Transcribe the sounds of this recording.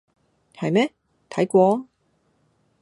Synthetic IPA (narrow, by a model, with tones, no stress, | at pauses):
hɐ˨jmɛː˥ | t̪ʰɐ˨˥jkʷɔː˧˥